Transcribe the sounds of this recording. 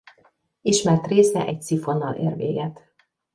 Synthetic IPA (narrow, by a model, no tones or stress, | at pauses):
iʃmɛrt̪reːsɛʔɛc̚t̪sifo̞nːɒlḛːrvḛːɡɛt̪